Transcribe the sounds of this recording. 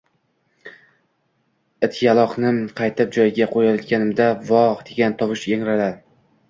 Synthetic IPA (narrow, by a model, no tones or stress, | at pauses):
ɪt̪ʰjalˠɒqnɪqʰɑjt̪ɪp̚d͡ʒɒjɪɡʲaqʰojɒd̪ɡʲanɪmd̪avɒʁd̪eɡʲant̪ʰɒwɪʃeŋɾala